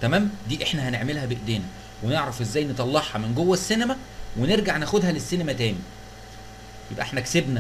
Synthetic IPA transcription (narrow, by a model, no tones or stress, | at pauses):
t̪æmæːmd̪iːʔeħnæhæneʕmelhæbeʔd̪eːnæ | weneʕɾˤɑfʔezːæːjnet̪ˤɑlːɑħhɑmenɡowːæsːinæmæ | weneɾɡaʕnæːxod̪hælesːiːnæmæt̪æːmi | jḛbʔeħnæksebnæ